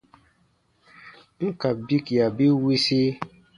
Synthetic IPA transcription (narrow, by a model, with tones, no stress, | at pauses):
ka˨bi˦kja˨bi˦wi˦si˦